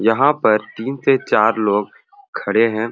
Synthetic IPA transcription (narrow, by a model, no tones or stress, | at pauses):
jɐɦãpɐɾt̪iːnset͡ʃaːɾloːɡ̚ | kʰɐɽeɦɛ̃ː